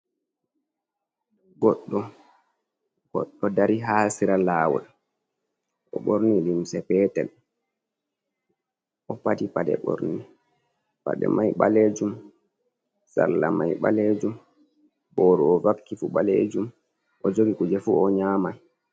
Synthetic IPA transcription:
ɡɔɗːɔ | ɡɔ̰ɗːɔdaɾiɦaːsiɾalaːwɔ̰l | ʔɔ̰ɓoɾnilimsɛpɛːtɛ̰l | ʔɔpatipadɛ̰ɓo̰ɾni | pa̰ɗɛ̰majɓaled͡ʒum | sa̰lːamajɓaled͡ʒum | bɔːɾɔɔvakːifuɓaled͡ʒum | ʔɔd͡ʒoɡikud͡ʒɛfuɔɲaːma

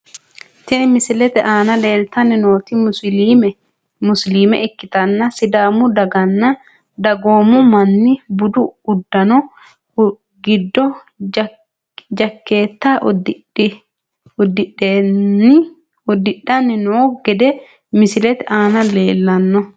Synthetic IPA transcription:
t̪ɪnmɪsɪlɛt̪ɛʔaːnɐle̞ːlt̪ɐnːɪno̞ːt̪ɪmʊliːmɛ | mʊsliːmɛ̰ʔɪkːɪt̪ɐnːɐsɪd̪aːmʊd̪ɐɡɐnːɐ | d̪ɐɡo̞ːmʊmɐnːɪbʊd̪ʊʊd̪ːɐnɔ | ɡɪd̪ːɔ | d͡ʒɐkːe̞ːt̪ːaːʔd | ɪ | ʊd̪ɪɗeɪ | ʊd̪ɪɗːɐnːɪnoːɡ̥ɛd̪ɛ | mɪsɪlɛt̪ɛʔaːnɐleːlːɐnːɔ

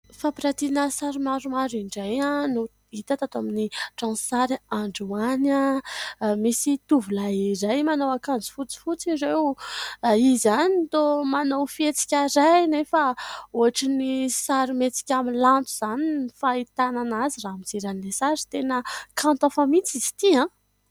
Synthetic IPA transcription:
fapiɾat̪inəsaɾimaɾumaɾiɳɖ͡ʐajano | it̪at̪at̪oaminiʈ͡ʂãnsaɾiaɳɖ͡ʐuana | misit̪uvulaiɾajmanowakand͡zi̥fut͡si̥fut͡siɾew | izanit̪omanowfiet͡si̥kʲaɾajnefaoaʈ͡ʂinisaɾimet͡si̥kʲamilant̪uz̥aninifait̪ananaziramiziɾanilesaɾi̥t̪enəkãnt̪afamit͡sizi̥t̪iã

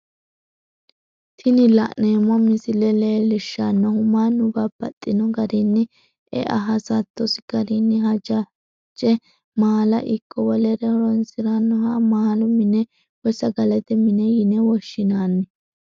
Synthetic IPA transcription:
t̪ʰɪnɪlɐ̰ʔneːmɔmɪsɪlɛleːlɪʃːɐnːɔhʊmaːnʊbɐbːɐt̪ʼːɪnɔɡɐɾɪnːɪ | ʔɛ̰ʔɐ̰ɦɐsɐt̪ːɔsɪ̥ɡ̥ɐɾinːɪɦɐd͡ʒɐ | t͡ʃʼːɛ | maːlɐʔɪkʼːɔwɔlɛɾɛhɔɾɔnsɪɾanːɔhɐmaːlʊmɪnɛ | wɔsɐɡɐlɛt̪ɛmɪnɛjɪnɛwɔʃːɪnaːnːɪ

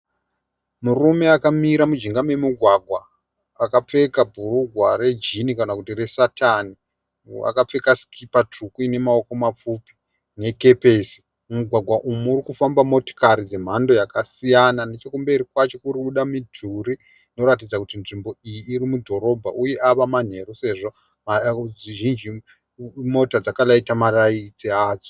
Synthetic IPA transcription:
murume̞akamiɾamud͡ʒiŋɡame̞muɡʱwaɡʱwaː | kap͡fe̞kabʱuruɡʱware̞d͡ʒinikanakutire̞satani | a̰kap͡fe̞kasi̥kʰipat͡ʂukuine̞mao̞ko̞map͡fupi̥ | ne̞ke̞peːsi̥ | muɡʱwaɡʱwaʔumuːɾikufambamo̞to̥kaɾid͡ze̞m̤ando̞jakasijanane̞t͡ʃokumbeiɾikwat͡ʃo̞kuɾiɓuɗamidʱuɾi | no̞ɾat̬id͡zakutinʐimbo̞ijiːɾimudʱo̞ɾo̞bʱa̰ʔuje̞ʔaʋaman̤e̞ɾuse̞ʐo̞ | maiʒind͡ʒi | mo̞tad͡zakalaitamaraid͡ziaːd͡zo

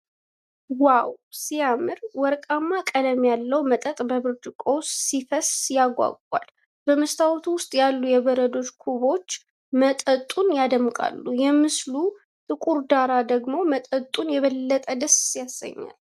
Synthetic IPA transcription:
wawsijamɨɾwɔɾkʼamːakʼələmjalːəwmət̪ʼət̪ʼbəβɨɾd̪ɨkʼo̞sːifəsjaɡʷa̰ɡʼwa̰l | bəməst̪ʰawt̪ʰuwʊst̪ʼjalːujɛβəɾəd̪o̞t͡ʃkʰuβo̞t͡ʃː | mət̪ʼət̪ʼːunjad̪əmkʼa̰lːujɛmɨslu | t̪ʰʼɨkʼuɾd̪aɾad̪əɡmo̞mət̪ʼət̪ʼunjɛβəlːət̪ʼəd̪əsːjasːə̰ɲːa̰l

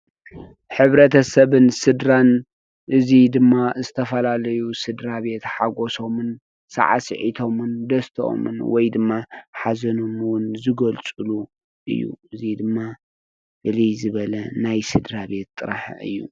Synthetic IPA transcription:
ħɨβɾɐt̪ʰɐsɐβɨnsɨd̪ɾan | ʔɨzid̪ɨmːazɨt̪ʰɐfɐlalɐjusɨd̪ɾaβe̞t̪ħaɡo̞so̞mɨn | sɐ̰ʕa̰sɨ̰ʕḭt̪ʰo̞mɨnd̪ɐst̪ʰʔo̰mɨ̰nwɔjd̪ɨmːaħazɐnomwʊnzɨɡɐlt͡sʼɨlu | ʔɨ̰jːṵʔɨzid̪ɨmːa | bɨlizɨβɐlɐnajsɨd̪ɾabe̞t̪ʼːɨɾa̰ħɨ̰jːṵ

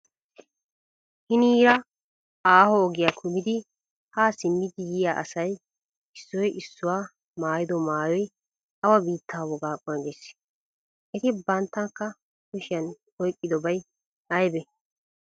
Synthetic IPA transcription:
hɪniːɾɐ | aːhɔːɡɪjakʰʊmɪd̪ɪ | haːsɪmːɪd̪ɪjɪjaːʔɐsɐj | ɪsːɔjʔɪsːʊwaː | maːjɪd̪ɔmaːjɔj | ɐwɐbiːt̪ʰːaːwɔɡaːkʼːɔnɐɡɛs | ɛt̪ɪbɐnt̪ːɐŋkːɐ | kʊʃɪjɐn | ɔjkʼːɪd̪ɔbɐj | ɐjbɛ

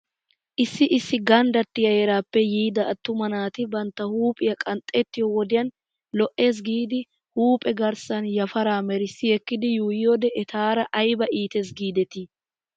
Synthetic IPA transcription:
ʔɪsːɪʔɪsːɪɡɐnd̪ɐt̪ːɪjɐjɛɾaːpːɛjiːd̪ɐːt̪ːʊmɐnaːt̪ɪbɐnt̪ːɐhuːpʼɪjɐkʼɐnt̪ʼːɛt̪ːɪjɔwɔd̪ɪjɐn | lɔʔe̞ːs̬ɡiːd̪ɪ | huːpʼɛɡɐɾsɐnjɐfɐɾaːmɛɾɪsːɪjɛkːɪd̪ɪjuːjɪjod̪ɛʔɛt̪ʰaːɾɐʔɐjbɐʔiːt̪eːs̬ɡiːd̪ɛt̪i

